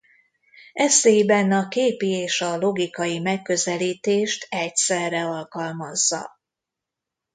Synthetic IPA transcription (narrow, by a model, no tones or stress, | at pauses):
ɛsejibɛnɒkeːpieːʃɒlo̞ɡikɒjimɛkːø̞zɛliːt̪eːʃt̪ɛcsɛrːɛɒlkɒlmɒzːɒ̰